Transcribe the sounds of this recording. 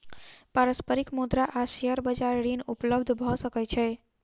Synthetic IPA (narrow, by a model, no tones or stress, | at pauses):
paɾəspəɾikmud̪ɾaʔaseɦəɾbəd͡ʒaɾːinupləbd̪ʱbʱɔsəkɛt͡ʃʰɛ